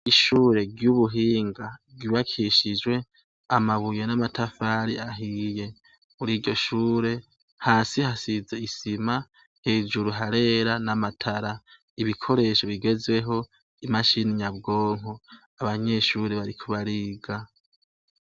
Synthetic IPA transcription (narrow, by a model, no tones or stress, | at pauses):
iʃuːɾe̞ɡjuβuɦiːŋɡaɡiβakʰiʃid͡ʒwe̞ | amaβuje̞namatʰafaːɾiaɦiːje̞ | muɾiːɟo̞ʃuːɾe̞ | haːsihasize̞isima | heːd͡ʒuɾuɦaɾe̞ːɾanamatʰaɾa | iβikʰo̞ɾe̞ːʃo̞βiɡe̞zwe̞ɦo̞ | imaʃiniɲabɡo̞ːŋ̥o | aβaɲe̞ʃuːɾeβaɾikʰuβaɾiːɡa